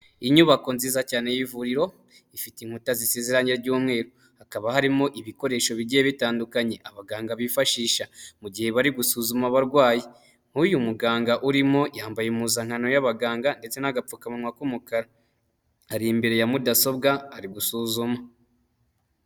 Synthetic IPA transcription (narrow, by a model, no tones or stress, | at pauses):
iɲuβako̞nziːzacaːne̞jivuɾiɾo̞ | ifitiŋ̥utaziseziɾaɲeɾɟuːmŋe̞ːɾo | hakaβahaɾimo̞ʔiβiko̞ɾe̞ʃo̞βiɟieβitaːndukaɲe̞ʔaβaɡaːŋɡaβifaʃiːʃamuɟihe̞βaɾiɡusuːzumaβaɾɡwaːje | ŋ̥hujumuɡaːŋɡaʔuɾimo̞jaːmbajemuzaŋ̥hano̞jaβaɡaːŋɡande̞t͡se̞naɡap͡fukamunwakumukaɾaː | ɾimbe̞ɾe̞jamudaso̞bɡaːɾiɡusuːzuma